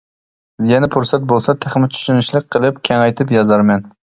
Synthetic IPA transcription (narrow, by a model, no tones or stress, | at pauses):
jɛnɛpʰʊɾsɛt̪̚bolˠsɛt̪ʰɪχmɪt͡ʃʰy̥ʃynɪʃlˠɪk̚ʲqʰːəlˠɪpkʲʰɛŋɑjt̪ʰɪpjɑzɑɾmɛn